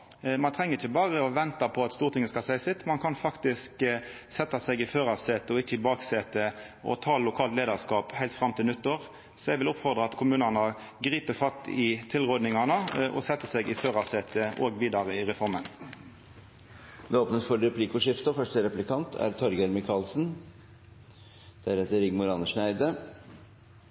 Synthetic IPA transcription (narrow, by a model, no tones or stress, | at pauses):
mɑnt̪ʰʁɛŋːəɾɪçəbɑːʁəɔʋɛnt̪ɑpʰɔɑt̪st̪uːʁt̪ʰɪŋəskɑsæɪsɪt̪ːmɑnkʰɑnfɑkt̪ɪsk | sɛt̪ːɑsɛɡɪføːʁɑseːt̪əɔɪçːəɪbɑːkseːt̪ə | ʔɔ̰t̪ʰɑːllʊkʰɑːlt̪leːd̪ɑʁskɑːphæɪlt̪fɾɑmːt̪ʰɪlnʉt̪ːəʁ | sɔɛɡʋɪlʊpfɔʁd̪ʁəɑɑt̪kʰʊmʉːnɑnə | ɡɾiːpəfɑt̪ːɪt̪ʰɪlʁoːd̪nɪŋɑnəʔɔ̰sɛt̪ːəsɛɡɪføːʁɑseːt̪əʔo̰ːɡʋiːd̪ɑʁəɪʁɛfɔɾmən | d̪ɛoːpnəsfɔɾɾɛpliːkʊʂɪft̪əfœʂʈəɾɛplɪkʰɑnt̪ʰæ̰ɾt̪ʰɔɾɡəɾmɪkʰɑːlsn̩ | d̪̥æɾɛt̪əɾɪɡmʊɾɑnəʂɳæɪd̪ə